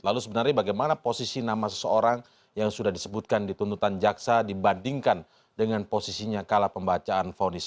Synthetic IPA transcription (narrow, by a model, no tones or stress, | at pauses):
lalusəbənərɲabaɡajmanaposisinamasə̥səoɾaŋ | jaŋsudahdisəbut̪̚kandit̪unt̪ut̪and͡ʒaksadibandiŋkan | dəŋanposisiɲakalapəmbat͡ʃaːnfaonis